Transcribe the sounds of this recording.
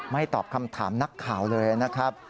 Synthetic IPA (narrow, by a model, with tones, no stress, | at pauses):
ma˥˩jt̪ɔː˨˩p̚kʰa˧mt̪ʰaː˩˦mna˦˥kʰːaː˨˩wlɤː˧ja˨na˦˥kʰɾa˦˥p̚